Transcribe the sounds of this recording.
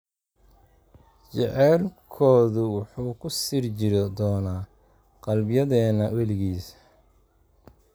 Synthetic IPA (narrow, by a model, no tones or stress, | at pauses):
t͡ʃɛʕɛːlkʰɔːðʊwʊħuːkʰʊsiːrt͡ʃɪɾd̪ɔːnaː | qɑlbjɐðɛːnɐwɛlɪɣiːs